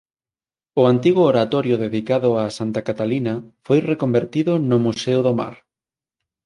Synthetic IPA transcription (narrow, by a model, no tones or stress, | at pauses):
ʊant̪iɣʊoɾat̪ɔɾjʊðeðikaðʊasant̪akat̪alinɐfojrekombeɾt̪iðʊnʊmuseʊðoma̰ɾ